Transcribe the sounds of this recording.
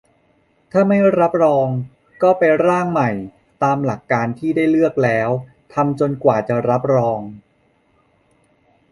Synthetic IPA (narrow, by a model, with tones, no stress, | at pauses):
t̪ʰaː˥˩ma˥˩jɾa˦˥p̚ɾɔː˧ŋ | kɔː˥˩pe˧nɾaː˥˩ŋma˨˩j | t̪aː˧mla˨˩kːaː˧nt̪ʰiː˥˩daː˥˩jlɯ˥˩ək̚lɛː˦˥w | t̪ʰa˧mt͡ɕo˧nkwaː˨˩t͡ɕa˨˩ɾa˦˥p̚ɾɔː˧ŋ